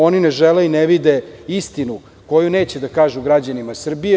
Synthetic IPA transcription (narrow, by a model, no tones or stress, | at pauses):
o̞nineʒeleineʋid̪eist̪inu | ko̞juneːt͡ɕed̪akaːʒuɡɾad͡ʑanimasr̩bije